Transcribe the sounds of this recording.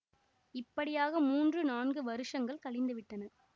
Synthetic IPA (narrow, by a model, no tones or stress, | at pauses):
ɪpːɐɽɪjaːɣɐmuːndrɯnaːnɡɯʋɐɾɯʂɐŋɡɐɭkɐɭɪnd̪ɯʋɪʈːɐnɐ